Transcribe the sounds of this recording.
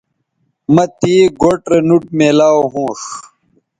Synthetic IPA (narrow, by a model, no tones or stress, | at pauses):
mɐt̪iːɡoʈɾenuʈ̚meːlaːwɦũːʂ